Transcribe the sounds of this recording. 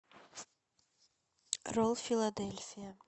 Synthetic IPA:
ɾɔlˠfilˠad̪ɛlfia

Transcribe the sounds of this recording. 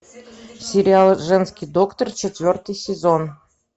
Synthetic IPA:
sʲɪɾʲɪalˠʐɛnskʲijd̪okt̪ərt͡ɕɪt̪vʲort̪ɨjsʲɪzon

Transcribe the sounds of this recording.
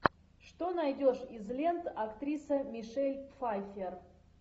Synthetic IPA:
ʂt̪onɐjdʲoʂɪzlʲent̪ɐkt̪ɾʲisəmʲɪʂɛlʲfajfʲer

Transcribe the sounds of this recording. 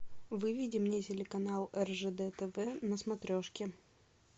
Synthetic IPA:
vɨvʲidʲɪmnʲetʲɪlʲɪkɐnalˠɛrʐɛd̪ɛt̪ɛvɛnəsmɐt̪ɾʲoʂkʲɪ

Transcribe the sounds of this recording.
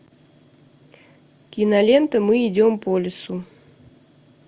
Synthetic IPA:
kʲinɐlʲent̪əmɨid͡zʲompɔlʲɪsu

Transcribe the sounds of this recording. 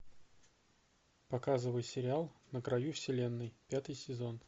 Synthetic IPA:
pɐkazɨvəjsʲɪɾʲɪalˠnəkɾɐjufsʲɪlʲe̞nːɨjpʲat̪ɨjsʲɪzo̞n

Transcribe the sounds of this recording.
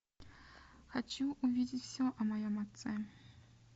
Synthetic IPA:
xat͡ɕuuvʲid͡zʲit͡sʲwsʲɔʔɐmajɔmat̪sɛ

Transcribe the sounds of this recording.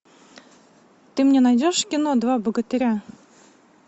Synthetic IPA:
t̪ɨmnʲenajdʲoʂkʲinod̪vabəɡət̪ɨɾʲa

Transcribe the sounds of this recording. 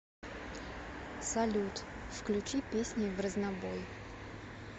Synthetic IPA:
sɐlʲut̪ | fklʲʉt͡ɕipʲesʲnʲɪvrəznaboj

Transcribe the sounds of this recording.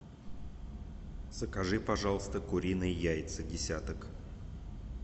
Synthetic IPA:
z̥əkɐʐɨpɐʐɑlˠəst̪əkʊɾʲinɨjjæjʲɪt̪sɨdʲɪsʲat̪ək

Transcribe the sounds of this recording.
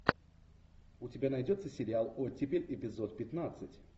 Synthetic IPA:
ʊtʲɪbʲanajdʲot̪sːəsʲɪɾʲɪalˠotʲipʲɪlʲɪpʲɪzot̪̚pʲɪt̪nat̪sɨtʲ

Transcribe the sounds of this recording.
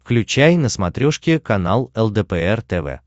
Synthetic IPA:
fklʲʉt͡ɕæjnəsmɐt̪ɾʲoʂkʲɪkɐnalˠɛlˠd̪ɛpɛɛrt̪ɛvɛ̰

